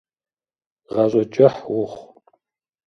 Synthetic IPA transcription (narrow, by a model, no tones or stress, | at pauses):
ʁɐɕʼɔt͡ʃʼɐħwʊχ